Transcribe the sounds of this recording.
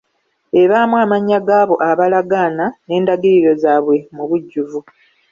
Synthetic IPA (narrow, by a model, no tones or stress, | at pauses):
e̞βaːmwaːmaɲːaɡaːβo̞ʔaβalaɡaːnane̞ːndaɡiɾiɾo̞zaːβwe̞muβuɟːuvu